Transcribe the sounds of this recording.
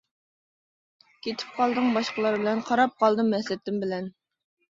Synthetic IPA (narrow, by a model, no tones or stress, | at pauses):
kʲʰet̪ʰɪ̥p̚qʰɑlˠd̪ɨŋbɑʃqəlˠɑɾbɪlɛnqʰɑɾɑp̚qʰɑlˠd̪ɨmɛslɪt̪ʰːɪmbɪlɛn